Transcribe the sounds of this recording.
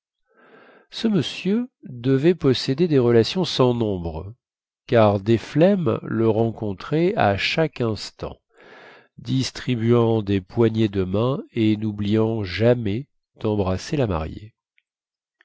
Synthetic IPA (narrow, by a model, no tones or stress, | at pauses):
səməsjød̪əvɛpɔsed̪ed̪eʁəlasjɔ̃sɑ̃nɔ̃bʁə | kaʁd̪eflɛmləʁɑ̃kɔ̃t̪χɛa̰ʃakɛ̃st̪ɑ̰̃ | d̪ist̪χibyɑ̃d̪epwaɲed̪əmɛ̃enublijɑ̃ʒamɛ | d̪̥ɑ̃bʁaselama̰ʁjḛ